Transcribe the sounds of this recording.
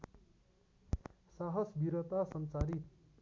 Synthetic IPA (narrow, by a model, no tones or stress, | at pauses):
saɦʌsbʱiɾʌt̪asʌnt͡saɾit̪̚